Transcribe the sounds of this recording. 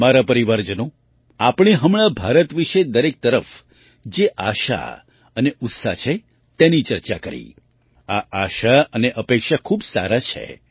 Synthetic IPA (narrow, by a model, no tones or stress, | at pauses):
maɾapəɾiʋaɾd͡ʒəno | apɽɳ̃iɦəmɭabʱaɾət̪ʋiʃed̪əɾek̚t̪əɾəf | d͡ʒeʔa̰ʃa̰ | əneʊt̪sa̰t͡ʃʰe | t̪enit͡ʃəɾt͡ʃakəɾḭ | aaʃaəneʔəpekʃakʰubsa̰ɾat͡ʃʰḛ